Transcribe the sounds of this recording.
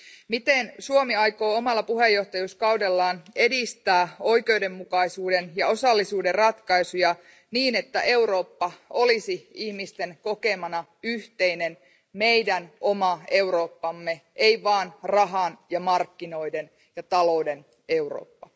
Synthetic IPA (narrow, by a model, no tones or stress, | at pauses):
mit̪ensuomiɑjko̞ːomɑlːɑpuɦejːo̞ht̪ɑjuskɑudelːɑːne̞dist̪æːoike̞uwde̞mːukɑisuːdenjɑo̞sɑlːisuːderrɑt̪kɑisujɑ | niːnet̪ːæ̰ʔe̞wɾo̞ːpːɑo̞lisiihmist̪enko̞ke̞mɑnɑyht̪einen | me̞ijdænʔo̞mɑe̞wɾo̞ːpːɑmːeʔeiʋɑːnrɑɦɑnjɑmɑrkːino̞iden | jɑt̪ɑlo̞den | e̞uɾo̰ːpːɑ